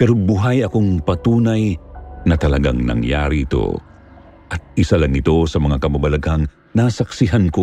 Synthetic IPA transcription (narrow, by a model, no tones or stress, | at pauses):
pɛɾobuɦajɐko̞ŋpɐt̪uːnɐjnɐt̪ɐlɐɡaŋnɐ̰ŋja̰ːɾiɪt̪o̰ | ʔɐt̪̚ɪsalɐŋɪt̪o̞sɐmɐŋakɐbɐbɐlɐɡhɐŋ | nasɐksɪɦanko̞